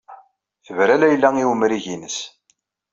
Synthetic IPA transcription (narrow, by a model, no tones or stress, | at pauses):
θəvɾælæjlːæŋiwəmɾiʝinəs